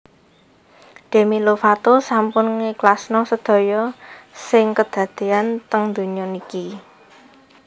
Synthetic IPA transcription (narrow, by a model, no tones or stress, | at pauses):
d̪̥e̤milofat̪osampʊnŋeklasnɔsəd̪̥ɔ̤jɔsɪŋkəd̪̥ä̤d̪̥e̤ant̪əŋd̪uɲɔniki